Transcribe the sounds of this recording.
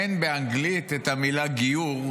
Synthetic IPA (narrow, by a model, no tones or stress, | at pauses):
enbeaŋɡlit̪et̪amilaɡijuʁ